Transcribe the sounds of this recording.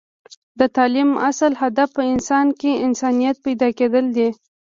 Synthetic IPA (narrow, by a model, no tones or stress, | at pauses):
d̪ət̪ɑlimasəlhad̪afpəɪnsɑnkeɪnsɑnijat̪̚pajd̪ɑked̪əld̪e